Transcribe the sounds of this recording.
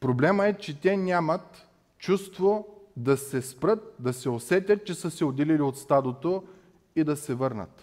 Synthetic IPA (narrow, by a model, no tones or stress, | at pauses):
pɾoblɛməɛt͡ʃɛt̪ʲɛnʲamət̪ | t͡ʃust̪vod̪ɐsɛspɾɤt̪̚d̪ɐsɛosɛt̪ʲət̪̚t͡ʃɛsəsɛod̪ɛliliot̪st̪ad̪ot̪o | id̪ɐsɛvɤɾnə̰t̪